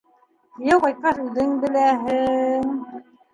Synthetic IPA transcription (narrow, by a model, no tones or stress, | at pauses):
jɑwqɑj̚qɑsʉðɘŋbɘ̆læɦɘŋ